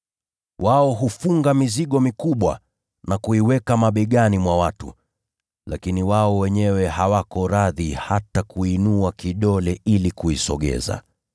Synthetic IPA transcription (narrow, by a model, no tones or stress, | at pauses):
wʔaɔɦufuŋɡamiziɠɔmikuɓwa̰ | nakuiwɛkamaɓɛɠanimwawatṵ | lakiniwaɔwɛɲɛwɛɦawakɔɾaðihatakuinuakiɗɔlɛʔilikuisɔ̰ɠɛ̰za̰